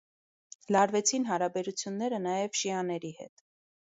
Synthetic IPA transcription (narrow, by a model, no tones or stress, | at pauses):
lɑɾvɛt͡sʰinɦɑɾɑbɛɾut͡sʰjunːɛɾənɑjɛvʃiɑnɛɾihɛ̰t̪